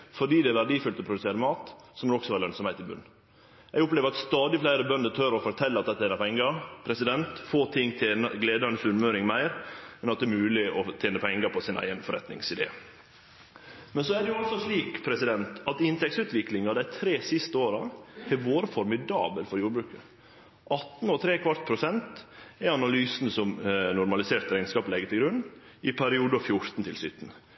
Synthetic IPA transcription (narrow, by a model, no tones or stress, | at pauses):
fɔɖiːd̪ɛːʋæɖiːfʏlt̪ɔpʰɾʊd̪ʉseːɾəmɑːt̪sɔmd̪ɛɔksɔʋɑːɾlœnsɔmheɪt̪ːɪlbʉ̰nː | jɛɡʊpleːʋəɾɑt̪st̪ɑːd̪ɪflæɪɾəbœnd̪ət̪ʰœɾɔfɔɾt̪ʰɛlːəɑt̪d̪ɛt̪ːəeːnəpʰɛŋːəpʰɾɛsɪd̪ɛnt̪foːt̪ʰɪŋːt̪ʰenəɡleːd̪ɑnəsʉnmøːɾɪŋmæɪɾmɛnɑt̪̚d̪ɛːɾmʉːlɪɔt̪ʰeːnəpʰɛŋːɡəpʰɔsɪnʔæ̰ɪɡənfɔɾɛ̰t̪nɪ̰ŋsɪd̪ḛː | mɛnsɔæɖɛjʊɑlsɔʂliːkpʰɾɛsɪd̪ɛnt̪ɑt̪ɪnt̪ʰɛkt̪sʉːt̪ʋɪklɪŋɑd̪æɪt̪ʰɾeːsɪst̪əoːɾɑɛʋoːɾəfɔɾmɪd̪ɑ̰ːbəlfɔɾjuːɾbɾʉːkə | ʔɑt̪n̩ɔt̪ʰɾeːkʰʋɑɾt̪̚pʰɾʊsɛnt̪ɛɑnɑlyːsn̩sɔmnʊɾmɑlɪseːɾt̪ɾæɪnskɑːplɛɡət̪ʰɪɡɾʉnː | ɪpʰæɾɪuːd̪əɑfjʊɾt̪n̩t̪ʰɪlsʏt̪n̩